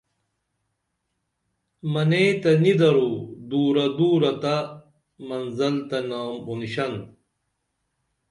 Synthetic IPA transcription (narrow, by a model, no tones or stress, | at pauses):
mɐneːt̪ɐnid̪ɐɾud̪uːɾɐd̪uːɾɐt̪ɐ | mɐnzɐlt̪ɐnaːmunɕɐn